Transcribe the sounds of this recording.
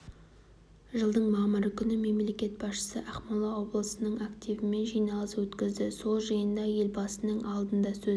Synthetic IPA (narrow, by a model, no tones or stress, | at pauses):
ʒəlˠd̪əɴmɑməɾəkʲʰʏnɪme̞mle̞kʲe̞t̪̚bɑsʃə̥səʔɑχmɑlˠɑwo̞blˠəsənəɴakt̪ijvɪme̞nʒijnɑlˠəswɵt̪kʲɪzd̪ɪso̞lˠʒɑjənd̪ɑje̞lbɑsənəɴʔɑlˠd̪ənd̪ɑsɵ